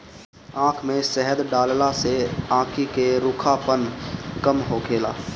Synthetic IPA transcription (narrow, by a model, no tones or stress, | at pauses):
ãːkʰmẽsɛɦəd̪ɖaːllaseãːkʰikeɾʊkʰapənkəmɦoːkʰeːlaː